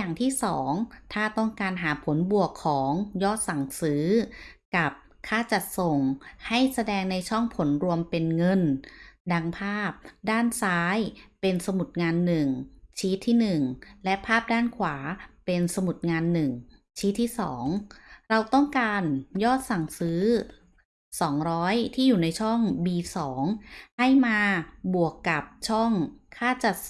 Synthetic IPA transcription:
aː˨˩ŋt̪ʰiː˥˩sɔː˩˦ŋt̪ʰaː˥˩t̪ɔ˥˩ŋkaː˧nɦaː˩˦pʰo˩˦nbu˨˩əkʰːɔː˩˦ŋjɔː˥˩t̪̚sa˨˩ŋsɯː˩˦˥ka˨˩p̚ | kʰaː˥˩t͡ɕa˨˩t̪̚so˨˩ŋha˥˩jsa˧dɛː˧ŋna˧jt͡ɕʰɔ˥˩ŋpʰo˩˦nɾu˧əmpe˧nŋɤ˧nda˧ŋpʰaː˥˩p̚daː˥˩nsaː˦˥jpe˧nsa˧mu˨˩t̪̚ŋaː˧nːɯ˨˩ŋt͡ɕʰiː˦˥t̪ʰːiː˥˩nɯ˨˩ŋlɛ˦˥pʰaː˥˩p̚daː˥˩nkʰwaː˩˦pe˧nsa˧mu˨˩t̪̚ŋaː˧nːɯ˨˩ŋ | t͡ɕʰiː˦˥t̪ʰːiː˥˩sɔ̰ː˩˦ŋɾa˧wt̪ɔ˥˩ŋkaː˧njɔː˥˩t̪̚sa˨˩ŋsɯː˦˥ | sɔː˩˦ŋɾɔː˦˥jt̪ʰiː˥˩juː˨˩na˧jt͡ɕʰɔ˥˩ŋbiː˧sɔː˩˦ŋha˥˩jmaː˧bu˨˩əkːa˨˩p̚t͡ɕʰɔ˥˩ŋkʰaː˥˩t͡ɕa˨˩t̪̚

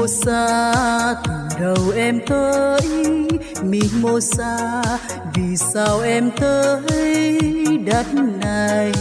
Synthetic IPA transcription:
o˧saː˧t̪ʰɨ˨˩ɗə˨˩wʔɛ˧mt̪ʰə˧˦j | mi˧˨˦mo˧saː˧ | vi˨˩sa˧wʔɛ˧mt̪əː˧ə˧˦j | ɗə˨˦˥t̚na˨˩j

